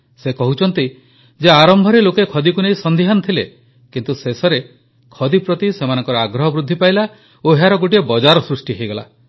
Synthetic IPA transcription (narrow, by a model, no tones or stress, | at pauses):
sekɔɦut͡ʃʰɔnt̪i | d͡ʒeaɾɔmbʱɔɾelokekʰɔd̪ikunejsɔnd̪ʱiɦant̪ʰile | kint̪usesɔɾe | kʰɔd̪ipɾɔt̪isemanɔ̃ŋkɔɾɔaɡɾɔɦɔbɾud̪ʱːipajla | oɦeaɾɔɡoʈ̬iebɔd͡ʒaɾɔsɾusʈiɦejɡɔla̰